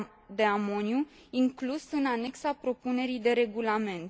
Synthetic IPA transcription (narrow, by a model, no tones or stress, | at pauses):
d̪e̞amo̞nju | iŋklusɨnane̞ksapɾo̞pune̞ɾijd̪e̞ɾe̞ɡulame̞nt̪